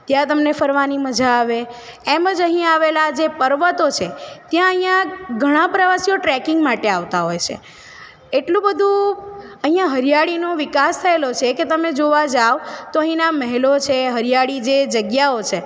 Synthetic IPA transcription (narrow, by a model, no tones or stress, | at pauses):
t̪jãt̪əmnefəɾʋaniməd͡ʒʱaːʋe | eməd͡ʒəɦĩaʋelad͡ʒepəɾʋət̪ot͡ʃʰet̪jãəɦĩjãɡʱəɽ̃ãpɾəʋasijoʈɾɛkɪŋɡmaʈeaʋt̪aɦojt͡ʃʰḛ | eʈlũbəd̪ʱũəɦĩjãɦəɾjaɽinoʋɪkast̪ʰəelot͡ʃʰeket̪əmed͡ʒoʋad͡ʒaʋt̪oəɦĩnaməɦɛlot͡ʃʰeɦəɾijaɭid͡ʒed͡ʒəɡjaot͡ʃʰe